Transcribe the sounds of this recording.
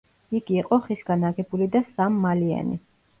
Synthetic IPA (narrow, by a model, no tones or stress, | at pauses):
iɡiːqʼɔχisɡ̥anaɡɛbulid̪asamːalia̰nḭ